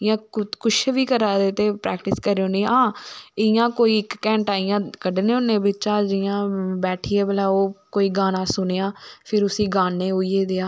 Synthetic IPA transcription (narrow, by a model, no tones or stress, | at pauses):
ɪjãːkʊʃʋiːkəɾaːd̪eːt̪eːpɾɛ̰ːkʈɪskəɾeõːnẽːãːɪjãːkoːiːɪkːɛ̃ːɳʈaːijãːkəɖnẽːʊnːẽːbɪt͡ʃãːd͡ʒɪjãːbɛːʈʰiːẽːbəlaːoːkoːiːɡaːnãːsʊneːãːpʰɪɾʊsĩːɡaːneːɦoːijeːd̪eaː